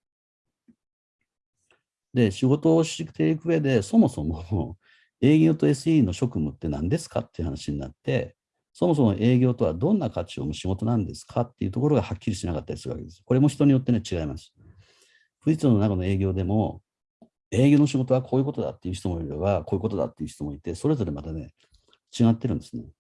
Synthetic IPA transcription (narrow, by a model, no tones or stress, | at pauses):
d̪e̞ɕiɡo̞t̪o̞ːɕi̥ikɯ̥t̪e̞ikɯ̟e̞d̪e̞so̞mo̞so̞mo | e̞ːɡʲo̞t̪o̞e̞sɨiːno̞ɕo̞kɯ̟mɯ̟t̪ːe̞nã̰nd̪e̞sɨ̥ka̰t̪ːe̞iɯ̟ha̰naɕiɲ̟ina̰t̪ːe̞̰ | so̞mo̞s̬o̞mo̞ʔe̞ːɡʲo̞ːt̪o̞βad̪õ̞nːakʰat͡ɕio̰ːmoɕiɡo̞t̪o̞nãnd̪e̞sɨ̥kʰat̪ːeiɯ̟t̪o̞ko̞ɾo̞ɡahakʲːiɾʲiɕt̪inakat̪ːaɾisɨɾɯβakḛ̥e̞sɨ̥ko̞ɾemo̞çʲi̥t̪o̞ɲ̟ijo̞t̪ːe̞ne̞t͡ɕiɡaimasɨ̥ | ɸɯ̟d͡ʑit͡sɨnonakano̞e̞ːɡʲo̞ːd̪e̞mo̞ | e̞ːɡʲo̞ːno̞ɕiɡo̞t̪o̞βakʰo̞ːjɯ̟ko̞t̪o̞d̪a̰t̪ːeiɯ̟çi̥t̪o̞moiɾeβakʰo̞ːjɯ̟ko̞t̪o̞d̪a̰t̪ːe̞jiɯ̟çi̥t̪omo̞it̪e̞so̞ɾe̞zo̞ɾe̞mat̪ane̞̰ | t͡ɕiɡat̪ːe̞ɾɯ̟̃nd̪e̞sɨne